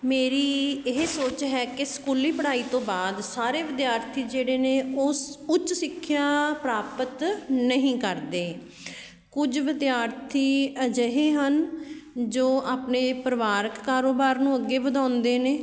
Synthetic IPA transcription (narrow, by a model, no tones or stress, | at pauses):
meːɾiːɪɦsoːt͡ʃɦɛːkɪsə̥kuːliːpəɽaːiːt̪õːbaːd̪saːɾeːʋɪd̪jaːɾt̪ʰiːd͡ʒeːɽeːneːʊsʊt͡ʃsɪkʰːjaːpɾaːpət̪nəɦĩːkəɾd̪eː | kʊd͡ʒʋɪd̪jaːɾt̪ʰiːəd͡ʒəɦeːɦən | d͡ʒoːʔaːpneːpəɾʋaːɾəkːaːɾoːbaːɾnũːəɡːeːbəd̪ãːnd̪eːneː